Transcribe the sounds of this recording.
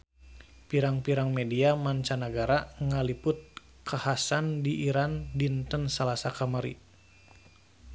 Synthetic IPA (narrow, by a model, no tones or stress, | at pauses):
piɾaŋpiɾaŋmediamaɲt͡ʃanəɡaɾaŋalipʊt̪̚ | kʰahasandiʔiɾandint̪ənsalasakamaɾḭ